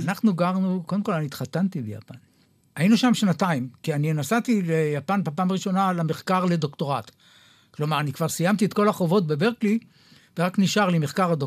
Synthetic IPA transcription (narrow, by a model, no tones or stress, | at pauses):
anaχnuɡaʁnukod̪emko̞lanit̪χatant̪ibeja̰pan | ajinuʃamʃnataimkianinasat̪ilejapanbapaːmaʁiʃo̞nalameχkaʁle̞d̪o̞kto̞ʁat | klomaʁanikv̥aʁsijamt̪iet̪ko̞laχo̞vo̞t̚be̞beʁkli | veʁakniʃaʁlimeχkaʁado